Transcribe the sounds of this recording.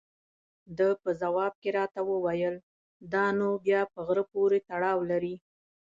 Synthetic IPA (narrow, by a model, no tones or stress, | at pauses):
d̪əpəzawɑb̚keɾɑt̪awəwajəl | d̪ɑnobjɑpəɣɾəpoɾet̪aɽɑwlaɾi